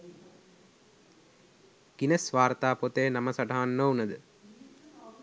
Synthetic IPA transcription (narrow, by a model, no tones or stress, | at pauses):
kinəsʋaːɾt̪aːpot̪əjnaməsaʈaɦanːəunəd̪ə